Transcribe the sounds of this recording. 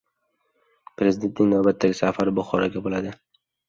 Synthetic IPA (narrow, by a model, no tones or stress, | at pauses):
pʰɾe̞zɪd̪ent̪nɪŋnawbat̪ʰːaɡʲɪsafaɾɪbʊχɒɾaɡʲabolad̪ɪ